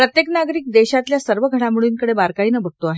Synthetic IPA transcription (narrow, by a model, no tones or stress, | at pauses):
pɾət̪jeknaɡɾiːk̚d̪eɕat̪ljasəɾʋəɡʱəɽamiɭuːnkəɽebaɾkaiːnəbʱəʈ̚t̪oaɦe